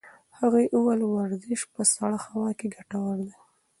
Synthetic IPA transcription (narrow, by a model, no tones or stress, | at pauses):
haɣajʔuwalwaɾzɪʃpəsaɽaxawɑkeɡaʈawaɾd̪a